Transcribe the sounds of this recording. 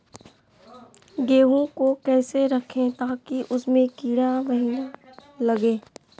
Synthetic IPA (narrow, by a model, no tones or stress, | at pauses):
ɡeːɦõkokɛːseɾɐkʰẽt̪aːkiʔʊsmẽkiːɽaməɦinalɐɡẽː